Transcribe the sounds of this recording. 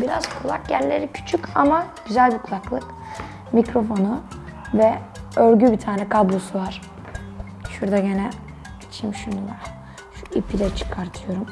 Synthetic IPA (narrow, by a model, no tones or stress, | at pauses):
biɾaz̥kʰulˠak̚ɟænlʲeɾicʰy̥t͡ʃʰycamaɟ̥yzælʲbukʰlˠaklˠɯk | micɾo̞fo̞nuvɛøɾɟybit̪ʰaːnɛkʰablˠosuvaɾ̥ | ʃuɾd̪aɟenɛ | it͡ʃʰimʃunulˠa̰ɾ | ʃuipiɾɛt͡ʃʰɯ̥kʰaɾt̪ʰɯjo̞ɾum